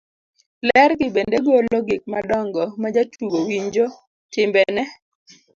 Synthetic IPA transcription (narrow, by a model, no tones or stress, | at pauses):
lɛɾɡɪbendeɡolɔɡɪk̚madɔŋɡɔmad͡ʒatuɡowiɲd͡ʒo | tɪmbɛnɛ